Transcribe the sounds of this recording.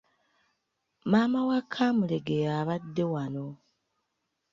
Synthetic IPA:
maːmawakʰːamuleɡejaːβadːe̞wano̞

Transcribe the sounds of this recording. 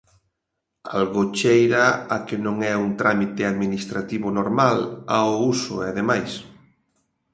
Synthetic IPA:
a̰lɣot͡ʃejɾaakɪnõŋɛuŋt̪ɾʔamit̪eaðminist̪ɾat̪iβʊnoɾmalaousʊeaðemajs

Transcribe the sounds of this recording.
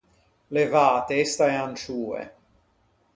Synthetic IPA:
levaːt̪eest̪aeant͡ʃuːḛ

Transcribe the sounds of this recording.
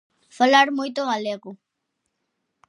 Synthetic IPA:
falaɾmujt̪oɣaleɣu

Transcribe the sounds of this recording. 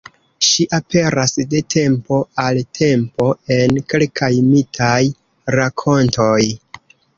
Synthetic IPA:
ʃiʔapʰe̞ɾasde̞tʰe̞mpo̞altʰe̞mpo̞e̞nke̞lkʰajmitʰaj | ɾakʰo̞nto̞j

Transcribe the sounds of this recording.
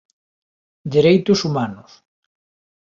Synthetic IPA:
d̪eɾejt̪ʊsumanʊs

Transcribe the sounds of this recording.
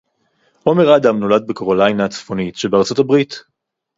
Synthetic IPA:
ʔo̞me̞ʁaːd̪amno̞lad̪̚bekoʁolajnat͡sfo̞nitʃebeaʁt͡so̞tabʁit

